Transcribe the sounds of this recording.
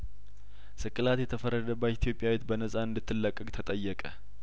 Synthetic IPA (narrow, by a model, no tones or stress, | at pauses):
sɨkʼːɨlat̪jɛt̪ʰəfərːəd̪əbːət̪it̪ʰijo̞pʼːjawet̪bənəsʼaɨnd̪ɨt̪ʰːɨlːəkʼːəkʼt̪ʰət̪ʼəjːɛkʼə